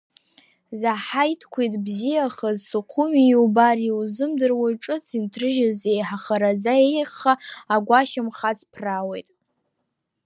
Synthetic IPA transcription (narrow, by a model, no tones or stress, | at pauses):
zaħajtʰkʷʰejtʼbzijaχazsuqʷʰumiubariwzɨmdɨrwaʈ͡ʂʼɨt͡sʰintʰrɨʒazejħaχaɾad͡zaejχːaaɡʷaʃɪmχat͡sʰpʰrawe̞jtʼ